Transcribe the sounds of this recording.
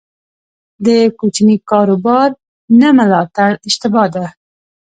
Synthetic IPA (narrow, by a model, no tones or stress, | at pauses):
d̪əkut͡ʃnikɑɾobɑɾ | naməlɑt̪aɽɪʃt̪ɪbɑd̪a